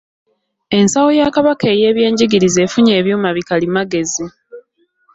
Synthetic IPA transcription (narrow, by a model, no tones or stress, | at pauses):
e̞nsawo̞jakaβakeːje̞ːβje̞ːɲɟiɡiɾize̞ːfuɲe̞ːβjo̞ːmaβikalimaɡe̞zi